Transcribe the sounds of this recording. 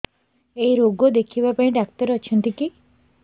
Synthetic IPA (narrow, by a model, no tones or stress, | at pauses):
ejɾoɡod̪ekʰibapaĩɖak̚t̪ɔɾeɔt͡ʃʰɔnt̪iki